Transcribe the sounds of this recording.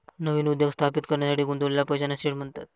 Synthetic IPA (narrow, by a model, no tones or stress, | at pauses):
nəʋiːnud̪jəɡst̪ʰapit̪kəɾɳjasaʈʰiːɡund̪ullːapəjd͡ʑanasiɽm̤əɳt̪at̪̚